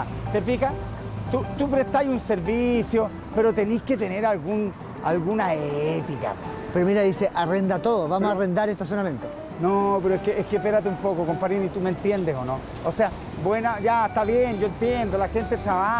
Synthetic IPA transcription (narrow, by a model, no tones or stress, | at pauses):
t̪efixa | t̪ut̪upɾeht̪ajunse̞ɾβisjo̞ | pe̞ɾot̪e̞nihket̪e̞neɾalɣun | alɣunaeet̪ika̰ | peɾomiɾaðise̞ʔarend̪at̪oðoβamosarend̪aɾeht̪as̬jonamje̞nt̪o | nope̞ɾoehkeʔehkepeɾat̪eumpo̞koko̞mpaɾinit̪ument̪je̞nd̪eso̞no̞ | osea | bwenaʝaeht̪aβjenɟ͡ʝo̞ent̪jend̪olaxe̞nt̪etɾaβa